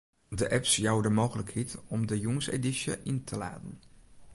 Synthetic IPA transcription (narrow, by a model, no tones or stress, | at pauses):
dəʔɛpsjawdəmoːɣələkhitɔmdəjuŋsḛdisjə̰ʔintʰəla̰ːtən̩